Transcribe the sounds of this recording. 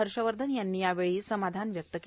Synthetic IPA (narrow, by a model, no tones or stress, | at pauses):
əɾʂəʋəɾd̪ʱənjanːiːjaʋeɭiːsəmad̪ʱanʋjək̚t̪ək